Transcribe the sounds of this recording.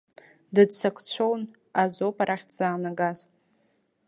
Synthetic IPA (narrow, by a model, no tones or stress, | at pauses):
dɨdsakʷʰt͡ɕʷʰown | azopʼaɾʔaχʲdzaːnaɡaz